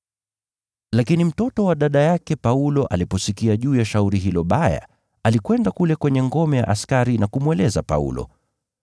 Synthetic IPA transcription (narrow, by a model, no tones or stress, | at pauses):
lakinim̩tɔtɔwaɗaɗajakɛpaulɔʔa̰lipɔsikiaʄuːjaʃauɾiɦilɔɓaja̰ | alikwɛndakulɛkwɛɲɛŋɡɔmɛja̰ʔaskaɾinakumwɛlɛzapa̰ṵlɔ̰